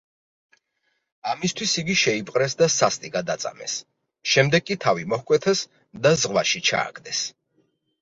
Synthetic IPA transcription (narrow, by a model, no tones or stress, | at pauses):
amist̪ʰwisiɡiʃɛipʼqʼɾɛsd̪asast̪ʼiɡad̪at̪sʼa̰mɛ̰s | ʃɛmd̪ɛɡkʼit̪ʰavimɔhkʼwɛt̪ʰas | d̪azʁwaʃit͡ʃʰa̰ːɡd̪ɛs